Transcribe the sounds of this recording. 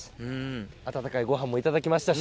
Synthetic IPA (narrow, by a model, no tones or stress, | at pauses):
ɯ̟̃ | at̪at̪akaiɡo̞ɦãmːo̞it̪ad̪akʲimaɕi̥t̪a